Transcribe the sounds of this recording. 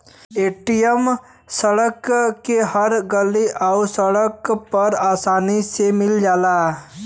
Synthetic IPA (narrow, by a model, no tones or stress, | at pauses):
eːʈijəm | səɽəkːeɦəɾɡəliʔaʊsəɽəkpɐɾaːsaːnisemɪld͡ʒaːla